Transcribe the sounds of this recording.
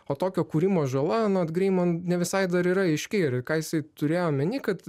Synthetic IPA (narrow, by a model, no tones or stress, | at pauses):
oːt̪oːkʲoːkuːɾʲimoːʒɐlˠɐnɐɐd̪ɡɾʲɛɪmoːnnʲɛʋʲɪsɐɪd̪ɐɾiːɾɐɪʃʲkʲeːɾɪkɑːjɪsɐɪt̪ʊɾʲeːjoːmʲɛnʲiːkɐt̪